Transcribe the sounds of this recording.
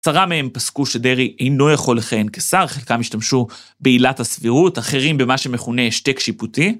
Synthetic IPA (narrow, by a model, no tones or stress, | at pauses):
saʁamee̞mpaskuʃe̞de̞ʁiʔe̞jno̞jaχo̞lːeχajenkesaʁχelkamiʃtamʃu | beilathasviʁutaχe̞ʁimbe̞maʃe̞meχuneʃtekʃiputi